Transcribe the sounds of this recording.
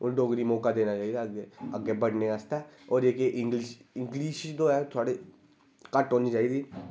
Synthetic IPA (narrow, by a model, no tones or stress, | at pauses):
ʊnɖoːɡɾimɔːkad̪eːnat͡ʃaːid̪aəɡɡeəɡebəɽneəst̪eːɔːɾeːkeʔɪ̃ŋɡlɪʃɪ̃ŋɡliːʃd̪oːɛːt̪ʰʊaːɽe | kəʈɦoːnit͡ʃaːiːd̪iː